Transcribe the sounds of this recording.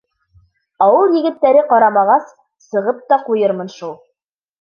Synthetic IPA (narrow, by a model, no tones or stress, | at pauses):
ɑwɤɾjɘ̆ɡɘ̆t̪ːæɾɘqɑɾɑmɑʁɑs | sɤ̆ʁɤp̚t̪ɑqujɤɾmɤ̆nʃulˠ